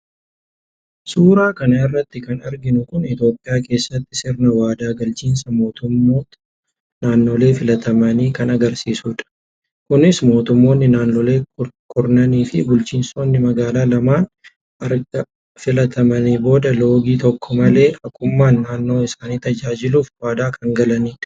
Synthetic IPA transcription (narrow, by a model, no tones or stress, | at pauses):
suːɾaːkɐnɐɪrːɐt̪ːɪkɐnɐɾɡɪnʊkʊnɪt̪jo̞ːpʼːɪjaːke̞ːsːɐt̪ːɪsɪɾnɐwaːd̪aːɡɐlt͡ʃiːnsɐmo̞ːt̪ʊmːoːt̪ | naːnːo̞ːle̞ːfɪlɐt̪ɐmɐniːkɐnɐɡɐɾsiːsuːᶑɐ̥ | kʊnɪsmo̞ːt̪ʊmːo̞ːnːɪnaːnːoːle̞ːkʼʊɾnɐniːfɪbʊlt͡ʃiːnso̞ːnːɪmɐɡaːlaːlɐmaːn | ʔɐɾɡɐ | fɪlɐt̪ɐmɐniːbo̞ːd̪ɐlo̞ːɡiːt̪ɔkːɔmɐle̞ːʔɐkʼʊmːaːnːaːnːo̞ːɪsaːniːt̪ɐd͡ʒaːd͡ʒɪluːfwaːd̪aːkʰɐŋɡɐlɐniːᶑɐ̥